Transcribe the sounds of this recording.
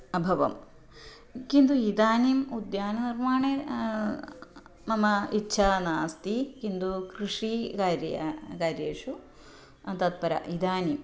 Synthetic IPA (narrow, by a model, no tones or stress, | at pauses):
ɐbʱɐʋɐ̰m | kind̪uid̪aːnimud̪jaːnɐnirmaːɳe | mɐmɐitːʃʰɐnaːst̪ikind̪ukɾiʂikaɾkaːɾjeːʂu | ɐt̪ɐt̪̚pɐɾɐ̰ʔid̪aːnim